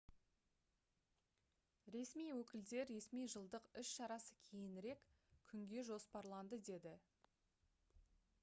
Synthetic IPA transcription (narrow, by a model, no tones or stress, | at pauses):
ɾe̞smijwɵkʲɪld̪e̞ɾːe̞smijʒəlˠd̪əqʏʃʃɑɾɑsə̥kʲʰe̞jɪnɪɾe̞kʲkʲʰʏŋɡʲe̞ʒo̞spɑɾlˠɑnd̪əd̪e̞d̪ɪ